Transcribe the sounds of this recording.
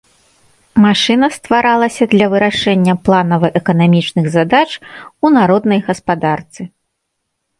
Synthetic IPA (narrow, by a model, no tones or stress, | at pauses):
maʂɨnɐst̪vaɾalˠɐsʲɐd̪lʲɐvɨɾaʂɛnʲːɐplˠanɐvɨʔɛkɐnamʲit͡ʂnɨɣzad̪at͡ʂunaɾɔd̪nɐjɣɐspad̪art̪sɨ